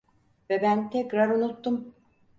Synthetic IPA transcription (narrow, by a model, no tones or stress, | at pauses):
vɛbænt̪ʰɛcɾaɾunut̪ːum